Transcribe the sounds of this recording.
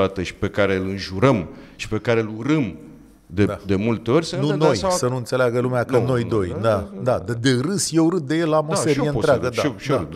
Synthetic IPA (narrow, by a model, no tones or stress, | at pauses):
at̪əʃi̥pe̞kaɾeɨlɨnʒuɾəmʃi̥pe̞kaɾeluɾɨm | d̪ed̪e̞mult̪eo̞rʲsənuno̞jssənuɨnt̪se̞leaɡəlumeakəno̞jd̪o̞j̪ad̪ad̪d̪e̞ɾɨsjeuɾɨt̪̚d̪e̞je̞lamoeeieɨɾeaɡəd̪aʃ